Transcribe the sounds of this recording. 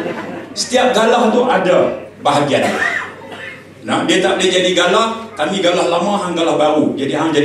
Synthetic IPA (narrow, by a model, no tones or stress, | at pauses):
sə̥t̪iap̚ɡalaɦunt̪ʊʔadabaɦaɡiana | nadiət̪aʔbəlɪhd͡ʒadiɡalahk̪amiɡalahlamãɦaŋɡalahbaɾud͡ʒadiad͡ʒa